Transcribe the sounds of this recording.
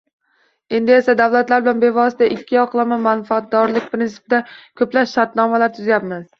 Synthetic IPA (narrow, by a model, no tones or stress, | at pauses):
e̞nd̪ɪe̞sad̪awlat̪laɾbɪlanbe̞vɒsɪd̪aʔɪkʲːɪɒqʰlˠamamanfaat̪̚d̪ɒɾlɪk̚ʲpɾɪnsɪ̥pɪd̪akʲʰɵplaʃʃaɾt̪nɒmalaɾt̪ʰʊzajapmɪz